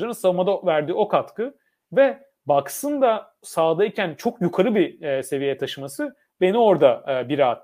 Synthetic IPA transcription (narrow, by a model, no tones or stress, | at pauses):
anɯnsavɯmad̪avæɾd̪iːo̞kʰat̪kɯ | vɛ | baksɯnd̪a | saːd̪aicʰænt͡ʃʰo̞kjukʰaɾɯbise̞vijejɛt̪ʰaʃɯmasɯ | be̞nio̞ɾd̪abiɾaːt̪ː